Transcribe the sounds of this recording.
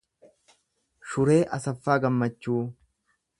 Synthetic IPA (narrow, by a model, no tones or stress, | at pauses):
ʃʊɾeːʔɐsɐfːaːɡɐmːɐt͡ʃːuː